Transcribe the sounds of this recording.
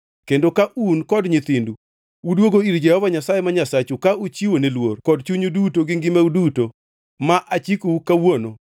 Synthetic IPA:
kendokaʔunkɔdɲɪt̪ɪndu | udwoɡoiɾd͡ʒɛhɔvaɲasajemaɲasat͡ʃukaut͡ʃiwonelworkɔdt͡ʃuɲudutoɡɪŋɡɪmeuduto | maʔat͡ʃikoukawono

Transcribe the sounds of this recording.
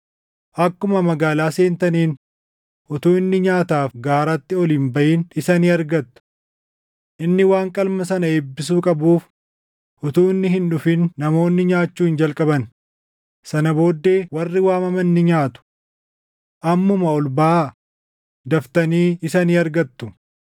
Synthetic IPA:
ʔɐkːʊmɐmɐɡaːlaːseːnt̪ɐniːn | ʔʊt̪uːɪnːɪɲaːt̪aːfɡaːɾat̪ːɪɔliːnbɐʔiːnɪsɐniːɐɾɡɐt̪ːʊ̥ | ʔɪnːɪwaːŋkʼɐlmɐsɐnɐeːbːɪs̬uːkʼɐbuːf | ʔʊt̪uːɪnːɪɦɪnᶑʊfɪnːɐmo̞ːnːɪɲaːt͡ʃːuːɪnd͡ʒɐlkʼɐbɐn | sɐnɐbo̞ːd̪ːe̞ːwɐrːɪwaːmɐmɐnːɪɲaːt̪ʊ̥ | ʔɐmːʊmɐɔlbaː | d̪ɐft̪ɐniːɪsɐniːɐɾɡɐt̪ːʊ

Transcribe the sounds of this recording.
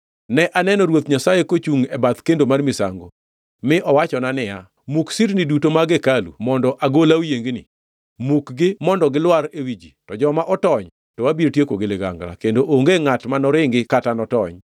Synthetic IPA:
nɛʔanɛnɔɾwot̪ɲasajekot͡ʃuŋɛbat̪kendomarmɪsa̰ŋɡo | mɪʔɔwat͡ʃɔnanɪja | muksiɾnɪdutomaɡekalṵmɔndɔʔaɡolawjeŋɡnɪ̰ | mukɡɪmɔndɔɡɪlwaɾewid͡ʒitɔd͡ʒɔmaʔɔtɔɲ | tɔwabiɾtjekoɡeleɡa̰ŋɡla̰kendoʔoŋɡeŋatmanɔɾɪŋɡɪkatanɔtɔɲ

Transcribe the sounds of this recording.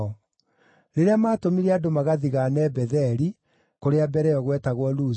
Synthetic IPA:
ɔ | ɾeɾeamaːtomiɾeadomaɣaðiɣanɛbɛðɛɾi | koɾeabɛɾɛɔɣwɛtaɣwɔluː

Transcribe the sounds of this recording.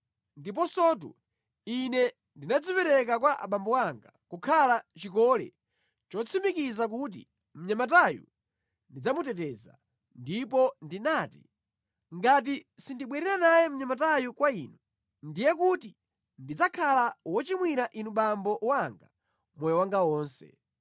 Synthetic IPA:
ndip̬ɔsɔt̬ṵ | inɛ | ndinad͡zipɛɾɛkakwaʔa̰ɓambɔwaŋɡakukʰalat͡ʃikɔlɛ̰ | t͡ʃɔt͡sʰimikizak̬ut̬ḭ | m̩ɲamatajṵ | ndid͡zamutɛtɛːza̰ | ndipɔndinaːtḭ | ŋɡat̬isindiɓwɛɾɛɾanajɛm̩ɲamat̬ajukwaiːnu | ndijɛkuti | ndid͡zakʰalawɔt͡ʃimwiɾaʔinuɓambɔʔwaŋɡa | mɔjɔwaŋɡawɔːnsɛ̰

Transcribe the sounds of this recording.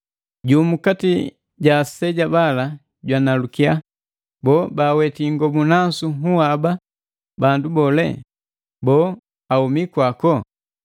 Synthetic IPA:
ɟuːmukati | ɟasɛɟabala | ɟwanalukia | bɔːbawɛtiŋɡɔmunasuɦuaba | bandubɔlɛ̰ | bɔː | aumikwakɔ

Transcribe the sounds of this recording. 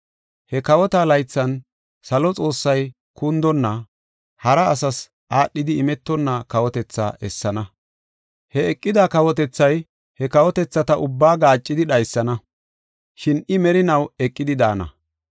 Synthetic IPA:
hɛkɐwɔt̪aːlɐjt͡sːɐn | sɐlɔt͡sʼo̞ːsːɐj | kund̪ɔnːɐ | hɐɾɐːsɐs | ʔaːɗːɪd̪ɪɪmɛt̪ːɔnːɐkɐwɔt̪ɛt͡sːa̰ːʔɛsːɐnɐ | hɛɛkʼːɪd̪akɐwɔt̪ɛt͡sːɐj | hɛkɐwɔt̪ɛt͡sːɐt̪ɐʔʊbːaːɡaːt͡ʃʼːɪd̪ɪɗɐjsːɐnɐ | ʃɪnɪmɛɾɪnɐwɛkʼːɪd̪ɪd̪aːnɐ̰

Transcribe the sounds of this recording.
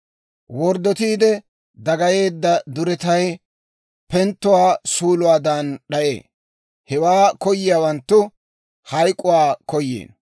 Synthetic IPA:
wɔɾd̪ɔt̪iːd̪ɛ | d̪ɐɡɐje̞ːd̪ːɐd̪ʊɾɛt̪ɐj | pɛnt̪ːʊwaːsuːlʊwaːd̪ɐnɗɐʔḛː | hɛwaːkɔjɪjaːwɐnt̪ːʊ | hɐjkʼːʊwaːkɔjːḛːn

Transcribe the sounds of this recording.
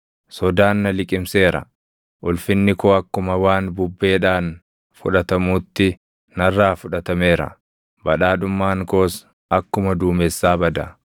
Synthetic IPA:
sɔd̪aːnːɐlɪkʼɪmse̞ːɾɐ̰ | ʔʊlfɪnːɪkoːɐkːʊmɐwaːnbʊbːe̞ːᶑaːn | fʊ̰ᶑɐt̪ɐmuːt̪ːɪ | nɐrːaːfʊᶑɐt̪ɐme̞ːɾɐ̰ | bɐᶑaːᶑʊmːaːŋko̞ːs | ɐkːʊmɐd̪uːmɛsːaːbɐd̪ɐ̰

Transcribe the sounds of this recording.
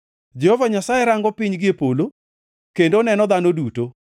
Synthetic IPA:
d͡ʒɛhovaɲasajeɾaŋɡɔpiɲɡɪepolo | kendonɛnɔd̪anoduto

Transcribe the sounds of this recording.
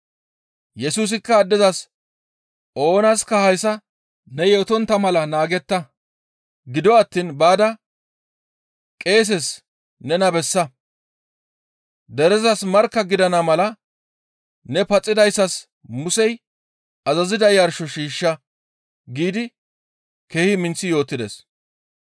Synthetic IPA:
jɛsuːs̬ɪkːɐːd̪ːɪzɐs | o̞ːnɐskɐhɐjsɐ | nɛjɛt̪ɔnt̪ːɐmɐlɐnaːɡɛt̪ːɐ | ɡɪd̪ɔɐt̪ːiːnbaːd̪ɐ | kʼe̞ːs̬ɛs | nɛnɐbɛsːɐ | d̪ɛɾɛzɐsmɐɾkːɐɡɪd̪ɐnɐmɐlɐ | nɛpɐt͡sʼːɪd̪ɐjsːɐs | mʊsɛj | ɐzɐzɪd̪ɐjɐɾʃɔʃiːʃːɐ | ɡiːd̪ɪ | keːhɪmɪnt͡sːɪjo̞ːt̪ːɪd̪ḛs

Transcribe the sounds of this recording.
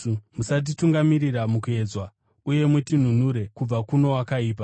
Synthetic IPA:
musat̬ituŋɡamiɾiramukue̞d͡zwa | uje̞mutin̤un̤uɾe̞kub͡vakuno̞wakaiːp̬a

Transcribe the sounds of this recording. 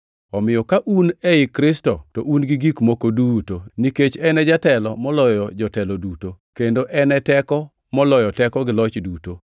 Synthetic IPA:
ɔmɪjɔkaʔunɛɪkɾɪstɔtɔʔunɡiɡikmokodutoniket͡ʃɛnɛd͡ʒatɛlɔmɔlɔjɔd͡ʒɔtɛlɔdutokendoʔɛnɛtɛkɔ | mɔlɔjɔtɛkɔɡɪlɔt͡ʃduto

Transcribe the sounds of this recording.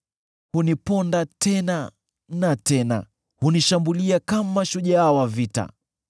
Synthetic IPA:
hunipɔndatʰɛna | natɛna̰ | huniʃambuliakamaʃuʄaawavita̰

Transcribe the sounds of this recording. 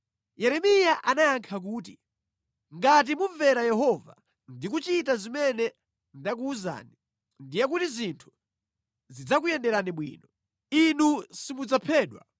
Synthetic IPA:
jɛɾɛmijaʔanajaŋkʰak̬uːti | ŋɡat̬imuɱvɛɾajɛɦɔva̰ | ndik̬ut͡ʃitazimɛnɛ | ndak̬uːza̰ːni | ndijɛk̬utizintʰu̥ | zid͡zak̬ujɛndɛɾaniɓwḭːnɔ | inusimud͡zapʰɛːɗwa̰

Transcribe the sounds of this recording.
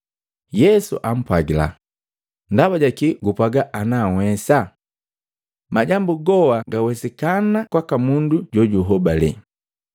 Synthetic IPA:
jɛsṵʔam̩pwaɡila̰ | ndabaɟakiɡupaɡaʔːnawɛsa | maɟambuɡɔwaɡawɛsikanakwakamunduɟɔɟuɦɔbalɛ̰

